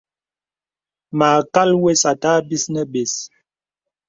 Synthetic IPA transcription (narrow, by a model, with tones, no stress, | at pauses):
maː˨ka˦lwe˦sa˨ta˦bi˦snə˦be˨s